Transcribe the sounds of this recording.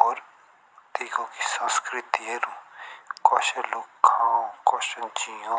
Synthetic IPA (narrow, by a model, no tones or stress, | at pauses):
ɔːɾ | t̪iːkõkisɐ̃nskɾɪt̪ieɾũkɔːʃɐlokʰãːõkɔːʃənt͡ʃijõ